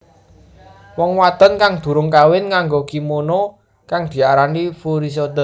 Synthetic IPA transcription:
wɔŋwat̪ənkaŋd̪̥ṳɾʊŋkawɪnŋaŋɡokimono | kaŋd̪̥i̤aɾanifuɾis̬ot̪ə

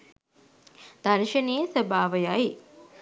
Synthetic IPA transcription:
d̪̥aɾʃɐneːsəbaːʋəjaji

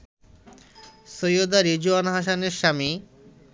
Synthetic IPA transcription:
sojod̪aɾid͡ʑuanɦaʃaneɾʃami

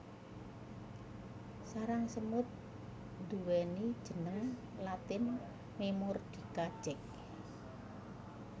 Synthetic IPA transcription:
saɾaŋsəmʊt̪̚ | d̪̥uwɛnid̥ʒ̥ə̤nəŋlat̪ɪn | memɔrd̪̥i̤kad̥ʒ̥ɛk̚

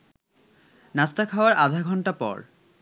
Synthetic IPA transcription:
nast̪akʰaoaɾad̪ʱaɡʱɔɳʈapɔ̰ɾ

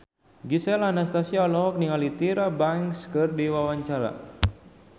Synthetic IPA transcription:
ɡisɛlanast̪asialɔɦɔk̚niŋalit̪iɾabaŋskɨrdiwawaɲt͡ʃaɾa̰

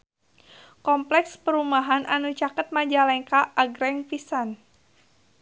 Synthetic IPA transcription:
kɔmplɛkspəɾumaɦanʔanut͡ʃakət̪̚mad͡ʒalɛŋkaːɡɾɛŋpisan

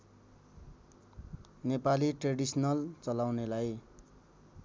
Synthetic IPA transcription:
nepaliʈreɽisnʌlt͡sʌlawnelaj

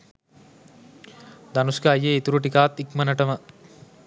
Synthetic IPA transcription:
d̪anusɡaːjeit̪uɾuʈikaːt̪ikmənəʈəmə

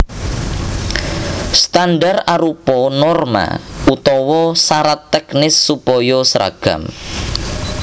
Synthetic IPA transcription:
st̪andaraɾupɔnɔrma̰ut̪ɔwɔsaɾat̪ːɛknɪsːupɔjɔsɾʔa̰ɡ̥a̰m

